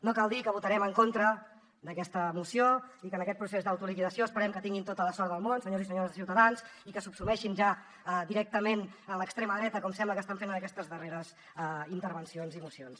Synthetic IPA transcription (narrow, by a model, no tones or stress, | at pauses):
nokalˠd̪ikəβut̪əɾɛməŋkont̪ɾə | d̪əkɛst̪əmusioikənəkɛt̪̚pɾusezðəwt̪ulikiðəsioəspəɾɛmkət̪iŋɡint̪ot̪ələsɔɾðəlˠmonsəɲozisəɲoɾəzðəsiwt̪əðansikəsupsumɛʃinʒa | əd̪iɾɛk̚t̪əmenələkst̪ɾeməðɾɛt̪əkɔmsɛmbləkəst̪aɱfenənəkɛst̪əzðəreɾəz | int̪əɾβənsionzimusions